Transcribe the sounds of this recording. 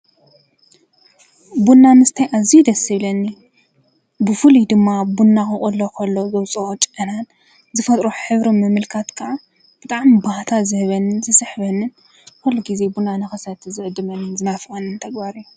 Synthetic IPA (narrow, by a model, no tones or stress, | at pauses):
bunːanɨst̪ʰɐjʔazid̪ɐsɨβlɐnːi | bɨfɨlid̪ɨmːabunːakɨʔʼulːokʰɐlːozɐβt͡sʼɐt͡ʃʼʔɨnan | zɨfɐt̪ʼɾoħɨβɾimɨmɨlkʰat̪kʰaʔa | b̥ɨt̪ʼaʕmibaht̪ʰazɨhɨβɐnːɨnzɨsɨħβɐnːɨn | kʰulːɐɡize̞bunːanɨxɐsɐt̪ʰzɨʕɨd̪ːɨmɐnːɨnzɨnafʔɐnːɨnt̪ʰɐɡbaɾijːu